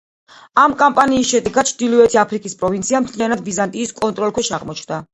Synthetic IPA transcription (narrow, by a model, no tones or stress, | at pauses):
amkʼampʼaniːsʃɛd̪ɛɡat̪̚t͡ʃʰd̪ilivɛt̪ʰiapʰɾikʼispʼɾɔvint̪sʰiamt̪ʰlijanad̪bizant̪ʼiːskʼɔnt̪ʼɾɔlkʰwɛʃaʁmɔt͡ʃʰnd̪a